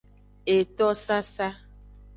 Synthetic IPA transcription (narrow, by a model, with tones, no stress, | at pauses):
e˨tɔ˦sa˦sa˦